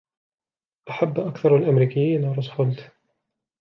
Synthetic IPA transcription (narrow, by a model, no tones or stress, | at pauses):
ʔaħabːʔakθɑɾˤalʔamɾiːkɪjːiːnaɾˤɑsˤxʊlt̪